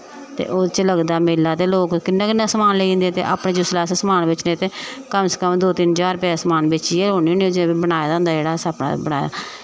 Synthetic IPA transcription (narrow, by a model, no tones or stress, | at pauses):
t̪ḛːʔoːt͡ʃləɡd̪aːmeːlaːt̪eːloːkkɪnːaːkɪnːaːsəmaːnleĩːnd̪eːt̪ḛːʔa̰ːpɳẽːd͡ʒʊslaːssəmaːnbɪt͡ʃnẽːt̪eːkəmsə̥kəmd̪oːt̪ɪnt͡ʃaːɾpɛsəmaːnbɪt͡ʃieːoːnioːniːod͡ʒibənaːjaːd̪aʊnd̪aːd͡ʒeːɽaːsapna̰ːbəɽa̰ːja̰ː